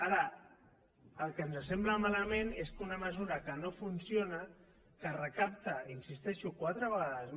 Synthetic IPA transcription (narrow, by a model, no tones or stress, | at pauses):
aɾə | əlˠkəːnzəs̬ɛmbləmaləmeneskunəməzuɾəkənofunsionə | kərəkap̚t̪əinsist̪ɛʃukwat̪ɾəβəɣaðəzm